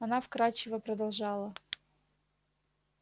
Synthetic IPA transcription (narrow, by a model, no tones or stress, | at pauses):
ɐnafkɾat͡ɕːɪvəpɾəd̪ɐlˠʐɑlˠə